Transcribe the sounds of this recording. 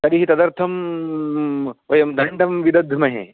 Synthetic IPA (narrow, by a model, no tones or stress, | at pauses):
t̪ɐɾiɦit̪ɐd̪ɐɾt̪ʰɐm | ʋɐjɐmd̪ɐɳɖɐmʋid̪ɐd̪ʱmɐɦḛ